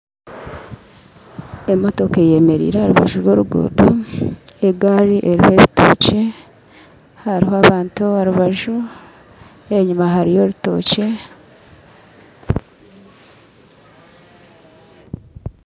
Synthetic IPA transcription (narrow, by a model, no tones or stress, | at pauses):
e̞mo̞to̞keje̞me̞ɾḭːɾahaɾuβa̰ʒuɾwo̞ːɾuɡo̰ːdo | eɡaɾiʔe̞ɾihoe̞ːβito̞̰ːce̞ | haɾiɦoaβaːntuaɾuβaʒu | eɲumaɦaɾijo̞ɾuto̞̰ːce̞